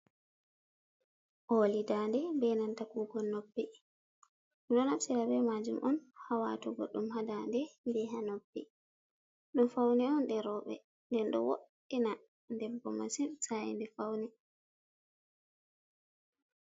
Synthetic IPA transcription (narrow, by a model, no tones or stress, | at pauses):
ʔoːlidandɛbɛnantakuːɡɔnobːi | mɗɔnamsiɾabɛmad͡ʒumʔɔnhawa̰tɔɡo̰ɗːumhadandɛnbɛɦanobːi | ɗɔmfawnɛɔnɗɛɾɔːɓɛ̰ | ndɛnɗɔ̰wo̰ɗ | ɛna | ndɛbːɔ̰ma̰sinsajɛ̰ndɛfawnɛ